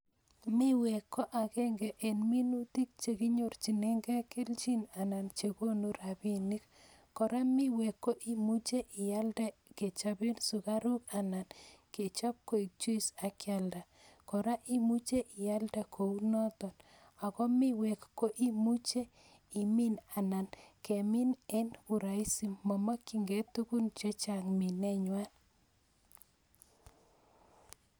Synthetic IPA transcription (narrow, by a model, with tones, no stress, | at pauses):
mi˦wɛ˨kːɔ˦ʔa˨kɛ˦ŋɡɛ˨ʔe˨nmi˦nu˦ti˦k̚t͡ʃe˨ki˦ɲo˦rt͡ʃi˨ne˦ŋɡa˦kɪ˦lt͡ʃi˦na˨na˨nt͡ʃe˨ko˦nu˦ɾa˨bi˦ni˦k | kɔ˨ɾa˦mɪ˦we˨kːo˦ʔi˦mu˦t͡ʃe˦ʔɪ˨a˦lda˦ke˨t͡ʃa˨bɪ˦nsu˨ka˦ɾu˦ka˨na˨nke˨t͡ʃa˦p̚ko˨i˨k̚t͡ʃu˦i˦sa˨kja˨lda˨ | kɔ˨ɾa˦ʔi˦mu˦t͡ʃe˦ʔɪ˨ja˦lda˨kʰo˨u˦nɔ˦t̪ɔ˨n | a˨kɔ˦mɪ˦wɛ˨kːo˦ʔi˦mu˦t͡ʃe˦ | i˨mɪ˦na˨na˨nke˨mɪ˦nɛ˦nu˨ɾa˨i˦si˨mːɔ˨ma˦kɪ˨ŋɡe˨tu˦ku˦nt͡ʃe˦t͡ʃa˨ŋmɪ˨nɛ˦ɲwa˦n